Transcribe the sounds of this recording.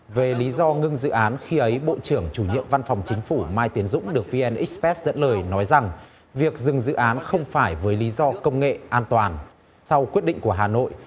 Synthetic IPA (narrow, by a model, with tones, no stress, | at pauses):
ve˨˩li˨˦zɔ˧ŋɨ˧ŋzɨ̰˧˨ʔaː˨˦nxi˧ʔə˨˦jɓo̰˧˨t͡ɕɨ˧˩əŋt͡ɕu˧˩ɲḭ˧˨əmva˧nfa˨˩wŋ͡mt͡ɕï˨˦ŋ̟fu˧˩maː˧jt̪i˨˦ənzʊ̰˧˥ŋ͡mɗɨ˨˩ək̚vi˧ʔɛ˧nʔi˦˥k̚pɛ˦˥t̚z̥ə̰˧˥nləː˨˩jnɔ˨˦jza˨˩ŋ | vi˨˩ək̚zɨ˨˩ŋzɨ̰˧˨ʔaː˨˦nxə˧wŋ͡mfaː˧˩jvəː˨˦jli˨˦zɔ˧kə˧wŋ͡mŋḛ˧˨ʔaː˧nt̪waː˨˩n | sa˧wkwi˦˥t̚ɗḭ̈˧˨ŋ̟ku˧˩əɦaː˨˩no̰˧˨jʔ